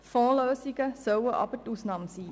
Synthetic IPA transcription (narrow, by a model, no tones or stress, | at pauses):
fɑ̃ːləːsikəsəwəʔɑ̰pətusnɑmsi